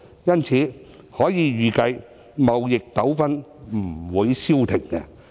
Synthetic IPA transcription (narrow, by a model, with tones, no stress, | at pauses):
jɐ˥nt͡sʰiː˨˥ | hɔː˨˥jiː˨˧ɥyː˨kɐ˧j | mɐ˨wjɪ˨k̚t̪ɐ˨˥wfɐ˥nm̩˨˩wuː˨˧jsiː˥wt̪ʰɪ˨˩ŋkɛ̰ː˧